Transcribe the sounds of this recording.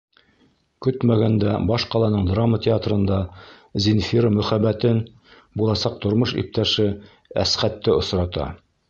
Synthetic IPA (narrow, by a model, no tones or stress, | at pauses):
kɵt̪mæɡænd̪æbɑʃqɑlˠɑnɤɴd̪ramːət̪ʲɪat̪rɤ̆nd̪ɑ | zʲinfiɾəmɵ̆χæbːæt̪ɘn | bulˠɑsɑq̚t̪ŏɾmɤʃḭp̚t̪æʃɘ | æ̰sχæt̪ːɘŏsɾɑt̪ɑ̰